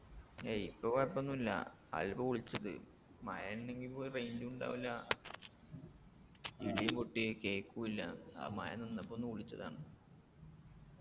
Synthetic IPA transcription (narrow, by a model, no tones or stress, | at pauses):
eipːɐʋjpːonːumilːɐ̰ | ɐ̰lbɐuɭit͡ɕːɐðɨ̰ | mɐjɐnine̞ŋɡilpoːjɐrejnduuɳɖa̰ːʋilːɐ | ḭɭijɐpoʈːiekeːkːuilːɐa̰ːmɐ̰jɐ̰nonːɐpːonːuuɭit͡ɕːɐða̰ːɳɨ